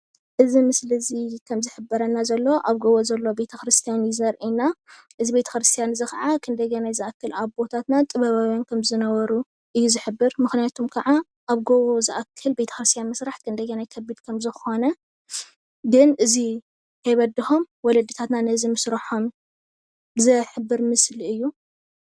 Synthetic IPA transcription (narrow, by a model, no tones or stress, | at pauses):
ʔɨzimɨslɨzikʰɐmzɨħɨbːɐɾɐnːazɐlːoʔaβɡoβozɐlːo̞be̞t̪ʰɐkɾɨst̪ʰijanjɪzɐɾʔina | ʔɨzibe̞t̪ʰɐ̥kɾɨst̪ʰijanzɨxaʕakʰɨnd̪ɐɡenajzɨʔakʰːɨlaβbo̞t̪ʰat̪nat̪ʼɨβɐβawjankʰɐmzɨnɐwɐɾu | ʔɨjːuzɨħɨbːɨɾmɨxnijat̪ʰomkʰɐʕa | ʔaβɡoβozɨʔakʰːɨlbe̞t̪ʰɐ̥xɾɨst̪ʰjanmɨsɾaħkʰɨnd̪ɐɡenajkʰɐbid̪kʰɐmzɨxo̞nɐ | ɡɨnʔɨzi | kʰɐjβɐd̪ːiho̞mwɔlɐd̪ːɨt̪ʰat̪nanɐzimɨsɾɐħom | zɨħɨbːɨɾmɨslɨjːu